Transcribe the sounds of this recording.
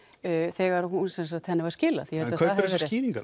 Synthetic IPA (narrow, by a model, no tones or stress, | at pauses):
θɛːɣaɾhunsɛnsat̪hɛnːɪvaɾscɪːla̰θijɛhɛlḁœahɾsiːlĩŋkan